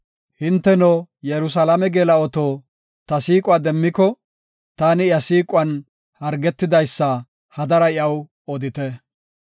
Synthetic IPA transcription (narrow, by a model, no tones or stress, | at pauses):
hɪnt̪ːɛnoːjɛɾʊs̬ɐlamɛɡeːlɐɔt̪oː | t̪ɐsiːkʼwaːd̪ɛmːɪkɔ | t̪aːnɪjɐsiːkʼʊɐn | hɐɾɡɛt̪ːɪd̪ɐjsːɐ | hɐd̪ɐɾɐɪjɐw | ɔd̪ɪt̪ɛ